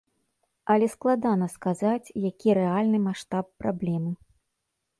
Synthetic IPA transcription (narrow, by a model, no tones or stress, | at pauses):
ɐlʲɛsklˠad̪anɐskazat͡sʲjakʲiɾɛalʲnɨmaʂt̪apːɾablʲɛmɨ